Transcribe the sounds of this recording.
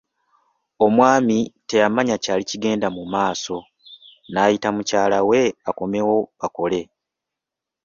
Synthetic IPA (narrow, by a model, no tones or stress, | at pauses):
o̞mwaːmite̞jamaɲacaːliciɡe̞ːndamumaːso̞ | naːjitamucaːlawe̞ako̞me̞wo̞βako̞le̞